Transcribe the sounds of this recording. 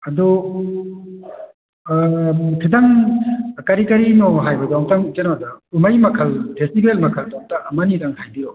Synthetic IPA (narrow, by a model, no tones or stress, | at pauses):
ɐdu | tʰidaŋ | kɐɾikɐɾinoɦajbɐdɔŋtaŋt͡ʃenɔdaumajmɐkʰɐlpʰestibelmɐkʰɐldɔŋtɐʔːmɐnidaŋhajbiɾɔ